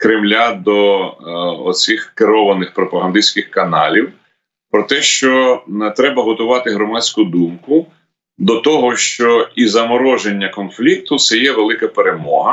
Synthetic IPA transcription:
kɾɪmlʲad̪ɔ | ɔ̰t͡sʲixkeɾɔʋɐnɪxpɾɔpɐɦɐnd̪isʲkɪxkɐnɑ̰lʲiw | pɾɔt̪ɛʃt͡ʃɔt̪ɾɛbɐɦɔt̪ʊʋɑt̪ɪɦɾɔmɑt͡sʲkʊd̪umkʊ | d̪ɔt̪ɔɦɔʃt͡ʃɔizɐmɔɾɔʒenʲːɐkɔnflʲik̚t̪ʊt̪sɛjɛʋelˠɪkɐpeɾemɔ̰ɦɐ

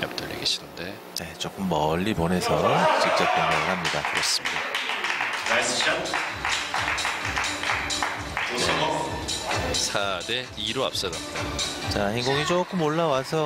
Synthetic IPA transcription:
ja̰p̚t͈ʌʎːḭɡeɕʰinɯnde̞ | ne̞t͡ɕok͈ɯmːʌʎːibone̞sʰʌt͡ɕik̚t͡ɕ͈ʌp̚koŋd͡ʑaŋɯɾɦamɲidakɯɾʌs͈ɯmɲida | asɕ | one | sʰade | iɾoa̰p̚s͈ʌɾap̚t͈ajo | t͡ɕaçinɡuɡit͡ɕok͈ɯmoɭːawasʰʌ

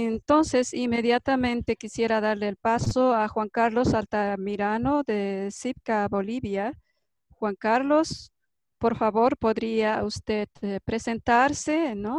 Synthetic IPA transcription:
ent̪o̞nse̞sime̞ðjat̪amẽ̞nt̪e̞kisje̞ɾaðaɾleːlpasoaxwaŋkaɾlo̞salt̪amiɾanoðesip̚kaβoliβja | xwaŋkaɾlo̞s | poɾfaβo̞ɾpo̞ðɾiaust̪eðpɾe̞se̞nt̪aɾseno

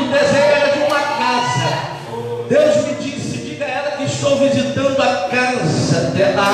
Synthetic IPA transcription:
d̪ezẽʒɛɾɐd͡ʒɪũmɐkazɐ | d̪ewzmɪd͡ʒisɪkɪnɐɛɾɐkɪɪst̪owvizit̪ɐ̃nd̪ʊɐkazzɐd̪ɛla

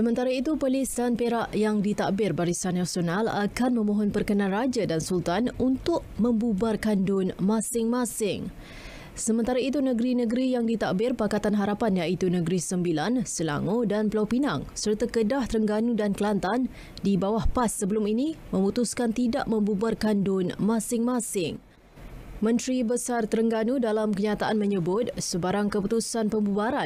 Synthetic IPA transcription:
səmənt̪aɾait̪upəlisdanpeɾaʔjaŋdit̪aʔbɪrbaɾisanːasionala̰kanmə̃mõɦɔnpərkənãnrad͡ʒadansult̪anunt̪ʊʔ̚mə̃mbubarkandʊnmãsɪŋmãsɪŋ | səmə̃nt̪aɾait̪̬unəɡəɾinəɡəɾijaŋdit̪aʔbɪrpakat̪anɦaɾapanjaʔit̪unəɡɾisəmbilansəla̰ŋodanpəlawpinaŋsərt̪akədaht̪əɾəŋɡanudanklant̪an | dibawahpasːəbəluminimə̃mut̪uskant̪ida̰ʔmə̃mbubarkandʊnmãsɪŋmasɪŋ | mə̃nt̪ɾibəsart̪əɾəŋɡanudalamkəɲat̪aʔanməɲəbʊt̪̚səbaɾaŋkəput̪usanpəmbubaɾa

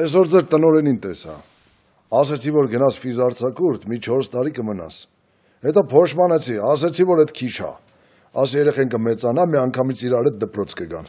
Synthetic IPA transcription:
ɛs̬ɔɾd͡zɛɾt̪ənɔɾɛnint̪ɛsɑ̰ | ɑs̬ɛt͡sʰivɔɾɡənɑsfizɑɾt͡sʰɑkuɾt̪ʰmit͡ʃʰɔɾst̪ɑɾikəmənɑ̰s | hɛt̪ɔpʰɔʃmɑnɛt͡sʰiɑs̬ɛt͡sʰivɔɾɛt̪kʰit͡ʃʰɑ̰ | ɑsɛɾɛχɛnkəmɛt͡sɑnɑmiɑŋkʰɑmit͡sʰiɾɑɾɛt̪̚d̪əpɾɔt͡sʰkəɡɑ̰n

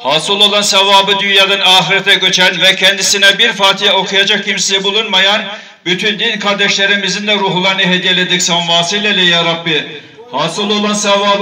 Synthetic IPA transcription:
haːsɯlˠo̞lˠansɛvaːbɯd̪ynjad̪anaːxiɾɛt̪ʰɛɟø̞t͡ʃʰænvɛcʰɛnd̪isinɛbiɾfaːt̪ʰijɛo̞kʰujad͡ʒak̚ʰːimsisɛbulˠunmajan | byt̪ʰynd̪inkʰaɾd̪ɛʃlʲeɾimizind̪ɛɾuːɦulˠaɾɯnɯɦed̪ijelʲed̪icsavaːsilʲɛlʲɛjaɾabːi | hasɯlˠo̞lˠansɛvaːbɯ

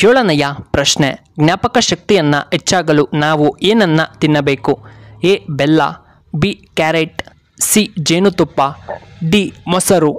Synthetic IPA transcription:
koːɭɐnɐjɐpɾɐʃne | ɡnjaːpɐkɐʃɐk̚t̪ijɐnːɐ̰ɦet͡ʃːaːɡɐlunaːʋueːnɐnːɐt̪inːɐbe̞ːkueːbɛlːɐ̰ | bikaːɾeʈ | sid͡ʒeːnut̪upːɐɖimɔsɐɾu

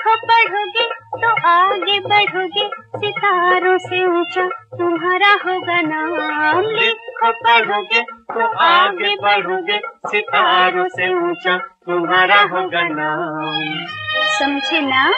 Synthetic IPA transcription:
kʰopəɽ̤oɡet̪oʔaːɡebɐɽ̤ʱoɡesɪt̪aːɾõseũt͡ʃat̪ʊmɦaːɾaɦoɡanamlikʰobəɽ̤oɡet̪oaɡebɐɽʱoɡesɪt̪aɾõseʊ̃t͡ʃat̪ʊmɦaːɾaɦoɡana | sɐmd͡ʒʱena

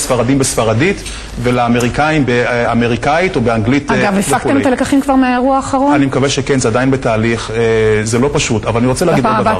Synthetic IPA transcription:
sfaʁadimbesfaʁadit | velaːme̞ʁikaimbeame̞ʁikait̪o̞beaŋɡlit̪ɡavefak̪emet̪alekaχimkvaʁmeaeʁuaːχaʁonanimekaveʃekenzead̪ajnbetaːliχezelo̞paʃutavalaniʁot͡seleaɡɡid̪aavaʁ

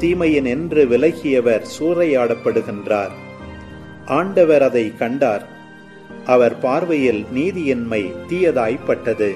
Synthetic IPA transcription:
t̪iːmɐjɪnɛndrɯʋɪlɐɪɣɪjɐʋɐɾsuːrɐjaːɽɐpːɐɽɯɣɪndraːɾ | ʔaːɳɖɐʋɐɾɐðɐɪkɐɳɖaːɾ | ʔɐʋɐɾpaːɾʋɐjɪlniːðɪjɪnmɐɪt̪ɪjɐðaːjpːɐʈːɐðɯ

